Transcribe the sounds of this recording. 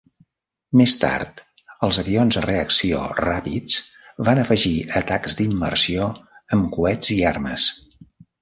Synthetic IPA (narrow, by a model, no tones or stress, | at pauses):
mest̪a̰rt̪ | əlˠzəβionzðəreəksio̰rapit͡sβanəfəʒiət̪akzd̪imːərsioəmkuɛd͡ziarmə̰s